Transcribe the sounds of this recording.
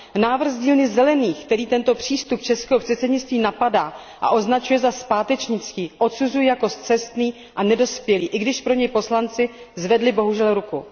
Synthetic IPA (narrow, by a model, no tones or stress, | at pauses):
naːvr̩xɣzɟiːlnɪzɛlɛniːxkt̪ɛɾiːt̪ɛnt̪o̞pr̝̥iːst̪up̚t͡ʃɛskɛɦopr̥ɛt̪t͡sɛdɲɪt͡st̪viːnapadaː | ʔa̰ʔoznat͡ʃujɛzaspaːt̪ɛt͡ʃɲɪt͡skiːʔo̞t̪suzujɛjako̞st̪t͡sɛst̪niː | ʔanɛdo̞spjɛliːʔɪɡdɪʃpɾo̞ɲɛjpo̞slant͡sɪ | zvɛdlɪbo̞ɦuʒɛlɾuku